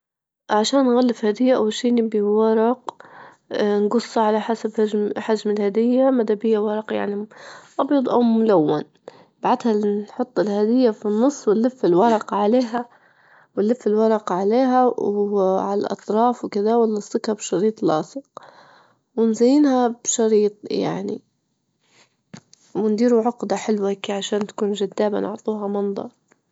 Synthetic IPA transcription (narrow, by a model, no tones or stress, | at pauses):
ʕaʃaːnːɣalːɪfhad̪ɪjːaʔawːalʃiːnɪbiwɑɾˤɑq | nɡʊsˤːɑʕalaħasabhad͡ʒmħad͡ʒmɪlhad̪ɪjːamad̪abɪjːawɑɾˤɑqja̰ʕniʔɑbjɑd̪ˤʔa̰wmʊlawːan | baʕad̪hanħʊt̪ˤːɪlhad̪ɪjːafinːʊsˤːwɪlːɪfːɪlwɑɾˤɑqɑʕaleːɦa | wɪlːɪfːɪlwɑɾˤɑqɑʕaleːɦawwʕalalʔɑ̰t̪ˤɾˤɑːfwkɪd̪awalːɑsˤːʊkhɑbʃɑɾiːt̪ˤlɑ̰ːsˤɨq | wɪnzajːɪːnhab̥ʃɑɾiːt̪ˤja̰ʕnḭ | wɪnd̪iːɾuʕʊqd̪aħɪlwakiːʕaʃaːnt̪ḁkuːnʒad̪ːaːba̰nʊ̰ʕt̪ˤuːɦɑmɑnd̪ˤɑ̰ɾˤ